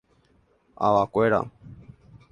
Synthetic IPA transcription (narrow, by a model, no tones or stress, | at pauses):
a̰ʋakʷeɾa̰